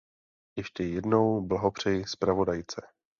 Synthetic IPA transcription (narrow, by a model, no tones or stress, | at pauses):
jɛʃcɛjɛdno̞wblaɦo̞pr̝̥ɛjɪspɾavo̞dajt͡sɛ